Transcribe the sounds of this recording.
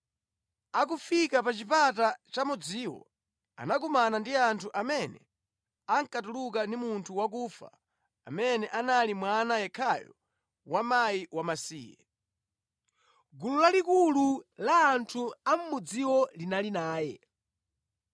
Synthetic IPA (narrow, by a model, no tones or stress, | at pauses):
ak̬ufikapat͡ʃipatat͡ʃamud͡ziːwɔ̰ | a̰nak̬umanandiantʰuʔamɛnɛ̰ | aŋ̩katuluk̬andimuntʰuwakuːfa̰ | a̰mɛnɛʔanalimwanajɛkʰajɔ̰ | wamaiwamasḭːjɛ̰ | ɡululalikululaːntʰuam̩mud͡ziwɔlinalinaːjɛ̰